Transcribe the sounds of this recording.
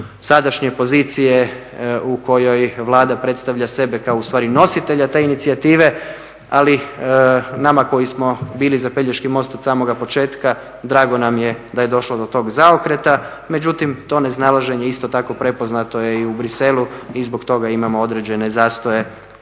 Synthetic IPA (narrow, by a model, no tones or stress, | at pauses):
sad̪aʃɲe̞po̞zit̪sije̞ | uko̞jo̞jʋlˠaːd̪apɾe̞t̪st̪aʋʎase̞be̞kaoust̪ʋaːɾino̞sit̪e̞ʎat̪e̞ːinit̪siat̪iːʋe̞ | ali | namako̞jismo̞biːlizape̞ʎeʃkimo̞st̪osaːmo̞ɡapo̞t͡ʃe̞ːt̪ka | d̪ɾaːɡo̞namje̞d̪aje̞d̪o̞ʃlo̞d̪o̞t̪o̞ɡzaokɾe̞t̪a | me̞d͡ʑut̪imt̪o̞ne̞znalˠaʒe̞ɲe̞ist̪o̞t̪ako̞pɾe̞po̞znat̪o̞je̞iubɾise̞luizbo̞kt̪o̞ɡaimamoo̞d̪ɾe̞d͡ʑe̞ne̞zaːst̪oje̞